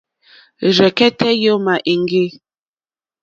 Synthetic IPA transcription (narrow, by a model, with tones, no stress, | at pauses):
ɾɛ˨kɛ˦tɛ˦jo˦ma˨ʔi˨ŋɡe˦˨